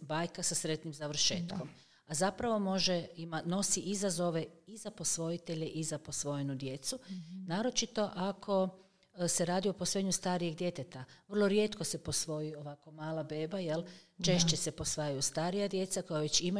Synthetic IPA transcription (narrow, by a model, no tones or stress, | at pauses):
baːjkasasɾe̞t̪nimzaʋr̩ʃe̞ːt̪ko̞m | azapɾaʋo̞mo̞ʒeimano̞siʔizazo̞ʋe̞izapo̞sʋo̞it̪e̞ʎe̞ʔizapo̞sʋo̞jenud̪je̞t̪sunaːɾo̞t͡ʃit̪o̞ʔakʰo̞ | se̞ɾaːd̪io̞poso̞jeɲust̪aːɾijeɡd̪je̞t̪et̪aʋr̩lˠo̞ɾje̞ːt̪ko̞se̞po̞sʋo̞jioʋako̞maːlabe̞ːbajelt͡ʃe̞ʃt͡ɕesepo̞sʋajajust̪aːɾijad̪je̞t̪sako̞jaʋe̞t͡ɕima